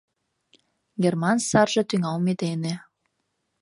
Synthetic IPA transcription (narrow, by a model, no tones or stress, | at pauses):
ɡermɑnsɑrʒɤ̆t̪yŋɑlmet̪enĕ